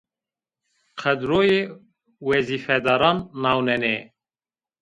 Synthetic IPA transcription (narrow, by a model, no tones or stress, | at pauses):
qʰɛd̪ɾoːjeː | wɛziːfɛd̪ɑːɾɑːnːɑːwnɛneː